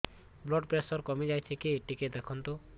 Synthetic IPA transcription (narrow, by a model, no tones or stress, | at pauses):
blɔɖpɾesɔɾkɔmid͡ʒajtʰikieʈiked̪ekʰɔnt̪ɔ